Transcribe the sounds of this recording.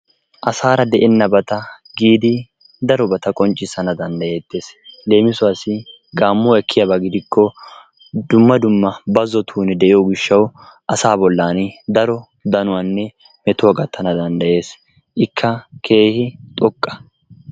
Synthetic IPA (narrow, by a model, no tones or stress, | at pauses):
ʔɐsaːɾɐd̪ɛʔɛnːɐbɐt̪ɐ | ɡiːd̪ɪ | d̪ɐɾɔbɐt̪ɐkʼɔnt͡ʃʼːɪsɐnɐd̪ɐnd̪ɐje̞ːt̪ːe̞ːsle̞ːmɪsʊɐsɪ | ɡaːmːɔɛkʰːɪjɐbɐɡɪd̪ɪkːɔ | d̪̥ʊmːɐd̪ʊmːɐbɐzɔt̪ʰuːnɛd̪ɛʔɪjɔɡɪʃːɐwʔɐsaːbɔlːaːnɪd̪ɐɾɔ | d̪ɐnʊwaːnːɛ | mɛt̪ɔɡɐt̪ʰːɐnɐd̪ɐnd̪ɐje̞ːs | ʔɪkʰːɐkʰe̞ːhɪt̪ʼɔkʼːɐ̥